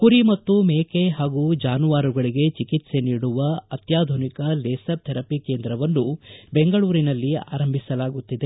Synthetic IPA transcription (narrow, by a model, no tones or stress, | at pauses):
kuɾimɐt̪ːumeːkeɦaːɡud͡ʒaːnuʋaːɾuɡɐɭiɡe̞t͡ʃikit̪se̞niːɽuʋɐɐt̪jaːd̪ʱunikɐleːsɐp̚t̪ʰɛɾɐpike̞ːnd̪ɾɐʋɐnːubeŋɡɐɭuːɾinɐlːia̰ːɾɐmbʱisɐlaːɡut̪ːid̪e̞